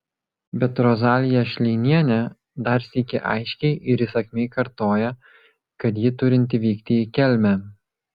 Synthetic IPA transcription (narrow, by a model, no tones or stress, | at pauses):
bʲɛt̪ɾɔzɑːlʲɪjɛʃʲlʲɛɪnʲiɛnʲɛ | d̪ɐɾsʲikʲɪʔɐ̰ɪʃʲkʲɛɪʔɪɾiːsɐkʲmʲeɪkɐɾt̪oːjɛ | kɐt̪̬jɪt̪ʊɾʲɪnʲt̪ʲɪʋʲiːkt̪ʲɪiːkʲɛlʲmʲɛ